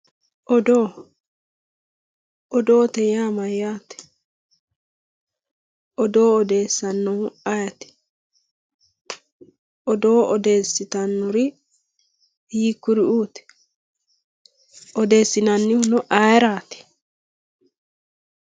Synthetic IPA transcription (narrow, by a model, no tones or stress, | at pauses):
ʔɔd̪oː | ʔɔd̪oːt̪ɛjaːmɐjaːt̪ɛ̥ | ʔɔd̪o̞ːɔd̪eːsːɐnːɔʊɐjɐt̪ɛ̥ | ʔɔd̪oːɔd̪e̞ːsːɪt̪ɐnːʊɾɪ | jiːkːʊɾɪuːt̪ɛ̥ | ɔd̪e̞ːsːɪnɐnːɪhʊnɔʔajɛɾaːt̪ɛ̥